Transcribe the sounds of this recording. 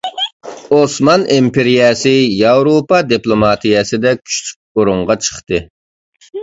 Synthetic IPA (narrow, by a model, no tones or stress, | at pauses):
osmɑnimpʰeɾijɛsɨjɑwɾopɑd̪iplˠomɑt̪ijɛsɪd̪ɛkʲʰy̥ʃt̪ʰy̥k̚ʲoɾuŋʁɑt͡ʃʰə̥χt̪ɨ